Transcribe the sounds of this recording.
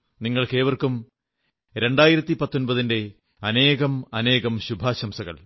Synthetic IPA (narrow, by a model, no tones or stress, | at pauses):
niŋːɐɭkeːʋɐrkum | ɾe̞ɳɖaːjiɾɐt̪ːipɐt̪ːo̞nbɐðinde̞ | ɐne̞ːɣɐmɐne̞ːɣɐmɕubʱaːɕɐmsɐɣɐ̰ɭ